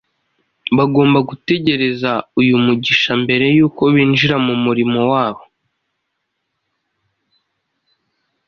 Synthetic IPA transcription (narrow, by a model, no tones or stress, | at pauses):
βaɡo̞ːmbaɡute̞ɟe̞ɾe̞zaujumuɟiʃambe̞ɾe̞juːko̞βiːnʒiɾamumuɾimo̞waːβo̞